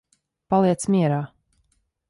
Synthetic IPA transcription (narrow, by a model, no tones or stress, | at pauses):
palˠiɛt̪smʲiɛɾaː